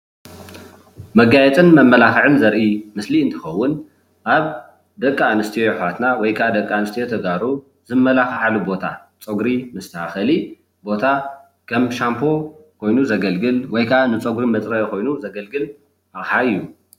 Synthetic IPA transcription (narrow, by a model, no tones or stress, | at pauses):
mɐɡajɛt͡sʼɨnmɐmːɐlaxʕɨnzɐɾʔimɨsliɨnt̪ʰɨxɐwːʊn | ʔaβ | d̪ɐkʼːaːnɨst̪ʰijojħat̪nawɔjkʰaʔad̪ɐkʼːaanɨst̪ʰijot̪ʰɐɡaɾu | zɨmːɐlaxħalubo̞t̪ʰa̰ | t͡sʼoɡɾimɨst̪ʰɐaxɐli | bo̞t̪ʰa | kʰɐmʃampʰo̞kʰo̞jnuzɐɡɐlɡɨlwɔjkʰaʔanɨt͡sʼoɡɾimɐt͡sʼɾɐjokʰo̞jnuzɐɡɐlɡɨl | ʔaħaɨjːu